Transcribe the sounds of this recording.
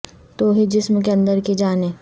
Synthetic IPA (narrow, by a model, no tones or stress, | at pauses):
t̪oːɦid͡ʒɪsmk̬eɐ̃nd̪əɾkid͡ʒaːneː